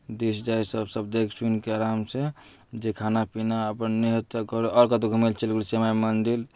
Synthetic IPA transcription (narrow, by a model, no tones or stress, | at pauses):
d̪esd͡ʒaisəbsəb̚d̪eksunkeaɾamse | d͡ʒekʰanapinaəpənːiɦət̪əkɔɾuʔɔɾkat̪oɡʱumelt͡ʃelɡulisemajmənd̪il